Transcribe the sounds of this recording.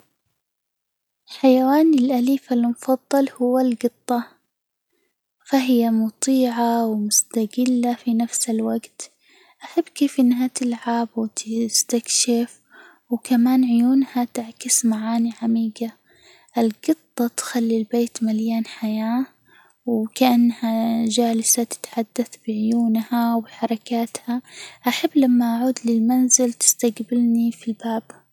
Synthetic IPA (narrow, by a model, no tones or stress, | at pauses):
ħajawaːnɪlʔaliːfalmʊfɑðˤːɑlhʊwːalɡɨt̪ˤːɑ | faɦɪjːamʊt̪ˤiːʕawmʊst̪aɡɪlːafinafsɪlwaɡt̪ | ʔaħabːkeːfʔɪnːɦat̪ɪlʕabwɪt̪ɪst̪akʃɪf | wkamaːnʕʊjuːnhat̪ɪʕkɪsmaʕaːniʕamiːɡa | ʔɪlɡɨt̪ˤːɑt̪xalːilbeːt̪maljaːnħajaː | wkaʔanːhaʒaːlsat̪ɪ̥t̪ħad̪ːaθb̥ɪʕʊjuːnhawbɪħɑɾˤɑkaːt̪haʔaħabːlamːaʔaʕuːd̪lɪlmanzɪlt̪ɪ̥st̪aɡbɪlnifilbaːb̥